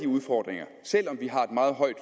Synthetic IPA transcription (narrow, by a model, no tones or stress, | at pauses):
d̥iuð̞ˠfɒːd̥ʁeŋɐ | sel̰ɒ̽mʋiɦɑ̈e̝d̥mɑ̈ːð̞̩ˠɦɒ̽ɪd̥